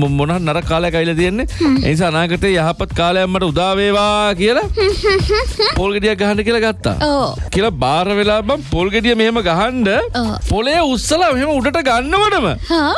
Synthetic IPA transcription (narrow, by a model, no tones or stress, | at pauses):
monɐɦaɾnaɾəkaːləjakaʋilɐt̪ijenːeḛːnis̬aːnaːkəʈeːjaɦapat̪kaːlejamːaʈəud̪aːʋeːʋaːkijəla | poːlɡeɖijak̚ɡaɦanɖəkijəlɐɡat̪ːa̰ːokijəlɐbaːɾəʋelaːbampoːlɡeɖijəmeɦeməɡaɦanɖəpolejəusːəlameɦeməuɖəʈəɡanːəʋəɖəmə̰ha